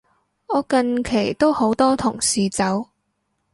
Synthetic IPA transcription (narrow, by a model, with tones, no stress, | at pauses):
ɔː˨˧kɐ˧nkʰe˨˩jt̪o˥who˨˥wt̪ɔː˥t̪ʰʊ˨˩ŋsiː˨t͡sɐ˨˥w